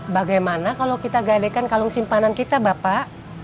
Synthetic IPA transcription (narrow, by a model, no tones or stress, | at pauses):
baɡajmanakalokit̪aɡadekankaluŋsimpanankit̪abapaʔ